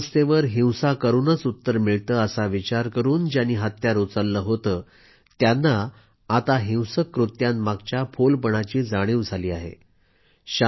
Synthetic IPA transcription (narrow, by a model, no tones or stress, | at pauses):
st̪eʋəɾɦĩwsakəɾuːnət͡sut̪ːəɾmiɭt̪əːəsaʋit͡ɕaɾkəɾuːnd͡ʑaniːɦat̪jaɾot͡salːəːɦot̪əː | t̪janːaː | t̪aɦĩwsəkːɾut̪jãnmaɡt͡ɕjafʰolpəɳ̃at͡ɕiːd͡zaɽ̃iwd͡zʱaliːaɦḛ | ɕa